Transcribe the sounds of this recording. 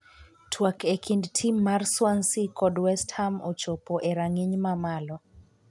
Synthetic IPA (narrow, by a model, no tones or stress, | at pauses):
tʰwakɛkʰindtʰimmːaɾswansikɔdwɛsthamɔt͡ʃɔpɔʔɛɾaŋiɲmamalɔ